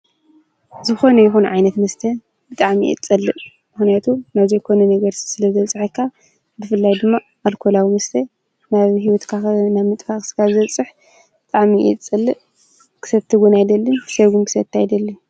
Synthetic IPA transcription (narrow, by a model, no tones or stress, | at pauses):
zɨxo̞nɐjɪxunʕa̰jnɐt̪mɐst̪ʰɐ | b̥ɨt̪ʼaʕmḭʔḭt͡sʼɐlːɨʔ | mɨxnijat̪ʰunaβzejkʰo̞nɐnɐɡɐɾsi̥sɨlɐzɐt͡sʼɨħɐkʰːa | bɨfɨlːajd̪ɨmːa | ʔalkʰolawimɐst̪ʰɐ | naβɦiwɔt̪kʰanaβmɨt̪ʼfaxʼsɨ̥kazɨɐt͡sʼːɨħ | bɨt̪ʼaʕmiʔḭt͡sʼːɨlːɨʔ | kʰɨ̥sɐβt̪ʰɨɡunajd̪ɐlːɨsɐɡunkʰɨ̥sɐt̪ʰːajd̪ɐlːɨ